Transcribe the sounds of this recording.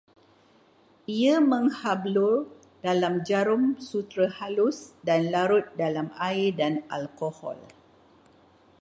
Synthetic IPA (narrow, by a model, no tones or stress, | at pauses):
iamə̃ŋhablʊr | dalamd͡ʒaɾʊmsut̪ɾahalʊsdanlaɾʊt̪̚dalamaɪdanalkohɔ̰l